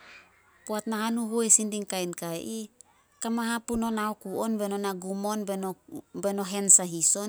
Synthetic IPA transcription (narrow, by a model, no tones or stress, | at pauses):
koatnaɦanuɦujsindiŋkajnkajʔi | kamaɦapuno̞naokuo̞nbe̞no̞naɡumo̞nbeobe̞no̞ɦe̞nsaɦiso̞n